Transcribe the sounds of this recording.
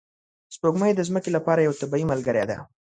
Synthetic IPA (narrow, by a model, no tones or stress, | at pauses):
spoɡməjed̪əzməkelapɑɾajawat̪abimalɡəɾad̪a̰